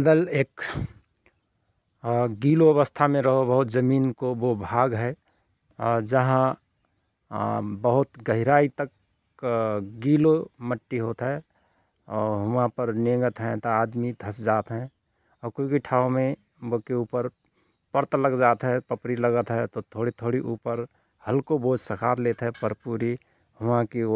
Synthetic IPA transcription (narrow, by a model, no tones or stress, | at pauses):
d̪əleːk | ɡiːloɐβəst̪ʰamẽɾəɦobəɦʊt̪d͡ʒəmiːnkobobʱaːɡɦɛ | ɔɾd͡ʒəɦã | bəɦʊt̪ɡəɦɪɾaːit̪ək | ɡiːloməʈːiɦoːt̪ɦɛ | ɔːɾɦʊmãpəɾneŋɡət̪ɦɛt̪oaːd̪mid̪ʱəsd͡ʒaːt̪ɦɛ̃ | ɔːɾkoikiʈʰaːomẽ | bokeuːpəɾ | pəɾt̪ləɡd͡ʒaːt̪ɦɛpəpɾiləɡət̪ɦɛt̪ot̪ʰoːɽit̪ʰoːɽiʔuːpəɾ | həlkoboːd͡ʒsəkʰaːɾleːt̪ɦɛpəɾpuːɾi | ɦʊʋãkio